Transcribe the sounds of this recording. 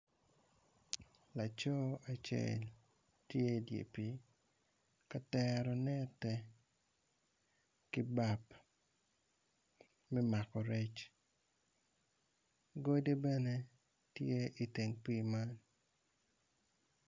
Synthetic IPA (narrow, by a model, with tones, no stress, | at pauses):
la˨t͡ʃo˦a˨t͡ʃḛ˦˨l | tje˦˨djḛ˨pi˨ | ka˦tɛ˦ɾɔ˨nɛ˦tɛ˨ | kɪ˦ba˦˨p | mɛ˦ma˨kɔ˨ɾɛ˦t͡ʃ | ɡo˦de˦bɛ˦ne˦ | tje˦ʔi˨te˨ŋpi˦ma˦n